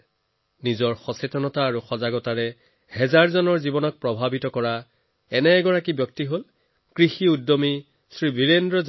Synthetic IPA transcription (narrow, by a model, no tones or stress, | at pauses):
nizɔɹxɔsetɔnɔtaːɹuxɔzaɡɔtaɹɛ | hɛzaɹzɔnɔɹzibɔnɔk̚pɹɔbʱabitɔkɔɹa | ɛnɛːɡɔɹakibjɔk̚tiɦol | kɹixiudːomi | sɹibiɹendɹɔz